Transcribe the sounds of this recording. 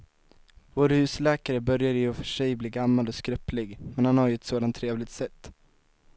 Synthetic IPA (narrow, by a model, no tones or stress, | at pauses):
voːɾhʉ̟ːslɛːkaɾəbœɾjad̪əjɵfœʂɛjbliːɡamːalɔskɾœplɪɡmɛnhanhaɾjɵɛt̪soːd̪ant̪ʰːɾeːvlɪɡt̪sɛt̪ː